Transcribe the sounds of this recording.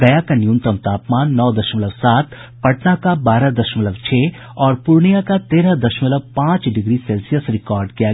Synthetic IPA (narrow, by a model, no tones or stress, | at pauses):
ɡɐjakanjũnt̪əmt̪aːpmaːnːɔːd̪ɐʃmləʋsaːt̪ | pɐʈnakabaːɾad̪ɐʃmləʋt͡ʃʰeː | ɔːɾpʊɾɳijakat̪eːɾad̪ɐʃmələbpãːt͡ʃɖɪɡɾiseːlsijəsɾɪkɔːɾɖkija